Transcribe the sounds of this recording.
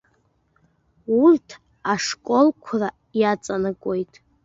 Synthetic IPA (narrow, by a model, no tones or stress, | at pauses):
urtʰ | aʂkʷʼo̞lkʷʰra | jat͡sʼanɨkʷʼojtʼ